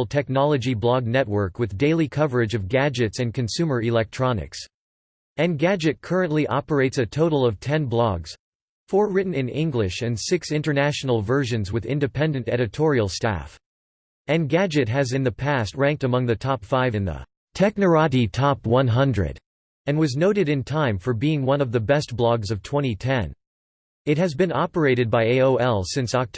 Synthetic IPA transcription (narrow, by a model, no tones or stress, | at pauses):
l̩ˠtʰɛk̚nɑlˠəd͡ʒiblɑɡ̚nɛt̚wɜ˞kwɨðdeɪlˠikʰʌvə˞ɨd͡ʒʌvɡæd͡ʒɨtsɨ̃nkɨ̃nsʉmə˞ɪlɛk̚tʰɹ̥ɑnɨ̰ks | ɨ̃nɡæd͡ʒɨt̚kʰɜ˞ɨ̃nʔliʔɑpə˞eɪtsɨtʰoʊɾl̩ˠʌv̥tʰɛ̃nblɑɡz̥ | fɔɹɹɪʔn̩ɨ̃nɪ̃ŋɡlɪʃɨ̃nsɪksɪ̃ntə˞næʃn̩l̩ˠvɜ˞ʒɨ̃nzwɨðɪ̰̃ndɨpʰɛ̃ndɨ̃ntɛɾɨtʰɔɹil̩ˠstæ̰f | ɨ̃nɡæd͡ʒɨt̚ɦɨzɨ̃nðɨpʰæst̚ɹæ̃ŋk̚tɨmʌ̃ŋðɨtʰɑpfaɪvɨ̃nðə̰ | tʰɛk̚nə˞ɑɾitʰɑpwʌ̃nɦʌ̃ndɹɨ̰ɾ | ɨ̃nwʌznoʊɾɨɾɨ̃ntʰãɪ̃ɱfə˞biɪ̃ŋwʌ̃nʌvðɨbɛst̚b̥lɑɡzʌv̥tʰw̥ɛ̃ɾ̃itʰɛ̃n | ɨt̚ɦɨzbɨ̃nɑpə˞eɪɾɨd̚baɪeɪoʊɛlˠsɪ̃nsɑk̚tʰ